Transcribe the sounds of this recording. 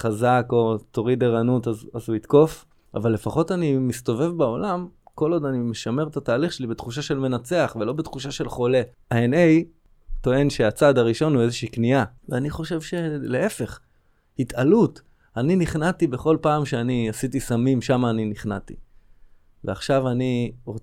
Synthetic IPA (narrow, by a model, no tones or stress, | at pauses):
χazako̞t̪o̞ʁideʁanutazazuit̪ko̞f | a̰valːe̞faχo̞tanimist̪o̞ve̞vbao̞lamko̞lo̞d̪animeʃame̞ʁt̪ataːliχʃelibet̪χuʃ̬aʃe̞lme̞nat͡se̞aχvelo̞bet̪χuʃ̬aʃe̞lχo̞le̞ | aenej | t̪o̞e̞nʃe̞at͡sadaʁiʃo̞nue̞zeʃiiːkniaveaniχo̞ʃe̞vʃe̞lee̞fe̞χ | hitʰalut | aniniχnatibeχo̞lpaːmʃeaniasitisamimʃamaːniniχnatḭ | vea̰χʃavaniʁo